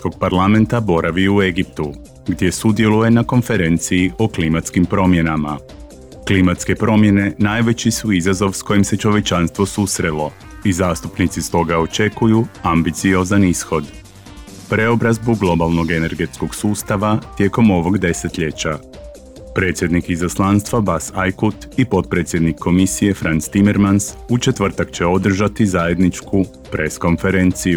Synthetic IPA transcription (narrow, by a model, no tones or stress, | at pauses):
ko̞ɡ̚paɾlˠame̞nt̪abo̞ɾʔaʋiue̞ɡip̚t̪u | ɡd̪je̞sud̪je̞luje̞nako̞nfe̞ɾe̞nt̪sijiʔoklimat̪skimpɾo̞mje̞nama | klimat̪ske̞pɾo̞mje̞ne̞naːjʋe̞t͡ɕisuizazo̞ʋsko̞jimse̞t͡ʃo̞ʋe̞t͡ʃanst̪ʋo̞susɾe̞lo̞ | izaːst̪upnit̪sist̪o̞ɡao̞t͡ʃe̞kujuambit̪sio̞zanisxo̞d̪ | pɾe̞o̞bɾazbuɡlˠo̞balˠno̞ɡe̞ne̞ɾɡe̞t̪sko̞ɡsuːst̪aʋat̪je̞ːko̞mo̞ʋo̞ɡd̪e̞se̞t̪ʎe̞t͡ɕa | pɾe̞ːt̪sje̞d̪nikizaslˠanst̪ʋabasajkut̪ipo̞t̪̚pɾe̞t̪sje̞d̪nikʰːo̞misije̞fɾant̪st̪ime̞ɾmansut͡ʃe̞t̪ʋr̩t̪akt͡ɕe̞o̞d̪r̩ʒat̪izaje̞d̪nit͡ʃkʰu | pɾʔe̞sko̞nfe̞ɾent̪siju